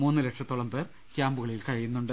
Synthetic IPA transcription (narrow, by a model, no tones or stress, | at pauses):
muːnːɨɾeʈʂɐt̪ːoɭɐmbɨr | kjaːmbuɣɐɭilkɐɻijunːuɳɖɨ